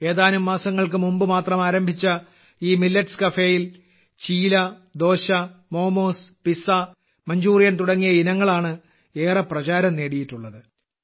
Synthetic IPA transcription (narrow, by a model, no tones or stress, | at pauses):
e̞ːðaːnumːaːsɐŋːɐɭkɨmumbɨmaːt̪rɐmaːɾɐmbʱit͡ɕːɐ | iːmilːɐʈskɐfeːjil | t͡ɕiːlɐd̪o̞ːɕɐmo̞ːmo̞ːspisɐ | mɐɲd͡ʑuːrijɐnt̪uɽɐŋːijɐinɐŋːɐɭaːɳɨ | eːrɐprɐt͡ɕaːɾɐmne̞ːɽijitːuɭːɐðɨ